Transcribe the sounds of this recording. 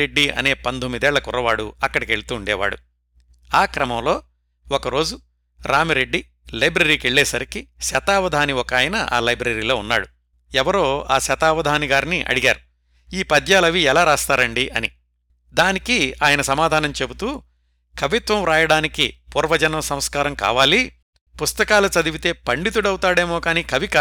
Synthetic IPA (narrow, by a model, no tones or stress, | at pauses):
eɖːiɐ̰ne̞ːpɐnd̪ʱomːid̪ɛːɭːɐkurːɐʋaːɽuɐkːɐɽɐkeɭut̪uːɳɖɛːʋa̰ːɽṵ | aːkɾɐmɐmlo̞ː | ɔkɐɾo̞ːd͡ʒu | ɾaːmiɾe̞ɖːi | lɐjbɾɐɾiːkeɭːɛːsɐɾikiʃɐt̪aːʋɐd̪ʱaːniɔkaːjɐnɐʔa̰ːlɐjbɾɐɾiːlo̞ːunːa̰ːɽu | ɛʋɐɾo̞ːa̰ːʃɐt̪aːʋɐd̪ʱaːniɡaːɾiniʔɐ̰ɽiɡaːɾu | iːpɐd̪ʱjaːlɐʋiɛlaːɾaːst̪aːɾɐɳɖiʔɐ̰nḭ | d̪aːnikiaːjɐnɐsɐmaːd̪ʱaːnɐmt͡ʃe̞but̪uː | kʰɐʋit̪ʋɐmɾaːjɐɽaːnikḭpuːɾʋɐd͡ʒɐnɐʋɐsɐmskaːɾɐmka̰ːʋaːli | pust̪ɐkaːlut͡ʃɐd̪iʋit̪e̞ːpɐɳɖit̪̬uɽɐwt̪aːɽeːmoːkaːniːkɐʋika